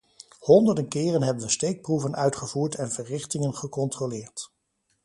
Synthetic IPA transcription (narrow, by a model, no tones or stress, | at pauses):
hɔndəɹdənkɪːrənɦɛbənʋəstejk̚pruvənʔœɥtχəvuːɹtʰɛnvərɪχtɪŋənχəkɔntrolɪːɹt